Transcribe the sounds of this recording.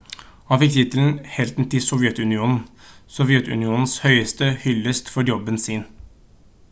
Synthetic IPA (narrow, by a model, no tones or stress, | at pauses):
hɑnfɪk̚t̪ʰɪt̪əln̩hɛlt̪n̩t̪ɪsɔʋjɛt̪ʉnɪuːnn̩sɔʋjɛt̪ʉ̰nɪuːnn̩shœʏəst̪əhʏlːəst̪fɔɾjɔbːənsiːn